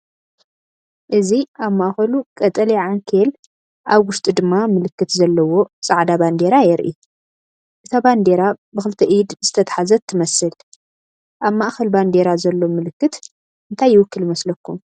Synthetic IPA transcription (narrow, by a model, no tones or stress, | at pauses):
ʔɨziaβmaʔxɐlukʼɐt̪ʼɐliʕaŋkʰel | ʔaβwʊst̪ʼid̪ɨmːamɨlɨkːɨt̪zɐlːɐwo̞sʼaʕd̪aband̪e̞ɾajɛɾʔḭ | ʔɨt̪ʰaband̪e̞ɾabɨxɨlɨt̪ʰɐʔid̪zɨt̪ʰɐt̪ʰḁħazɐt̪ʰːɨmɐsɨl | ʔaβmaʔxɐlband̪e̞ɾazɐlːo̞mɨlɨkːɨt̪ | ʔɨnt̪ʰajːɪwʊkːɨljɪmɐslɐkːum